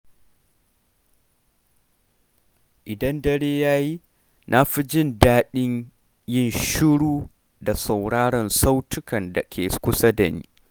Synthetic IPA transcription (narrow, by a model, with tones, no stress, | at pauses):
ʔɪ˨dɐ˦ndɐ˦ɽeː˦jaː˦ji˦ | nʔa˦ɸi˦d͡ʒɪ˦˨ndaː˦ɗɪ˦ɲ | jɪ˦˨nʃɪ˦ɽuː˦ | da˨sa˨wɽaː˦ɽɐ˨nsa˦wtʊ˦kɐ˨nda˨kʲʰeː˨kʷʊ˦sɐ˦dɐ˨nḭː˦